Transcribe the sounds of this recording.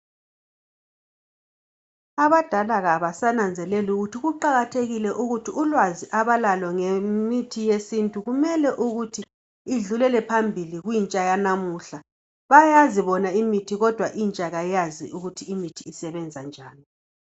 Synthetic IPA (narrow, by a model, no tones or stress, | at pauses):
aβad̥ʱalaɣaβasanand͡zʱɛlɛluɣutʰiɣuǃaɣatʰeɣilɛʔuɣutʰiulwaziʔaβalalɔŋemitʰijesintʼuɣumɛlɛʔuɣutʰi | iɮulɛlɛpʰambʱiliɣwint͡ʃʼajanamuɬa | βajaziβɔnaimitʰiɣɔd̥ʱwaʔint͡ʃʼaɣajaziuɣutʰiːmitʰiːsɛβɛnd͡zʱand͡ʒʱaːni